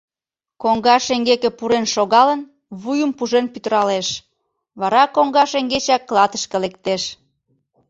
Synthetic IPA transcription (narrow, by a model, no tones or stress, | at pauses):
koŋɡɑʃeŋɡekĕpuɾenʃoɣɑlən | βujəmpuʒenpyt̪əɾɑleʃ | βɑɾɑkoŋɡɑʃeŋɡet͡ɕɑkːlˠɑt̪ə̥ʃkə̆lekt̪eʃ